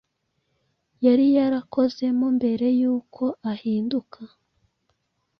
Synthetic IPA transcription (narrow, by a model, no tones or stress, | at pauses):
jaɾijaɾako̞ze̞mumbe̞ɾe̞juːkʰo̞ʔahiːndukʰa